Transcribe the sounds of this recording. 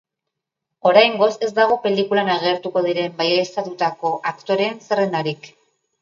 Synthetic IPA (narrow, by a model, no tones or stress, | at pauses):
o̞ɾajŋɡo̞se̞zd̪aɣ̞o̞pe̞likulanaɣ̞e̞ɾt̪uko̞ðiɾe̞mbajst̪at̪ut̪ako̞ʔakt̪o̞ɾe̞ːnsere̞nd̪aɾik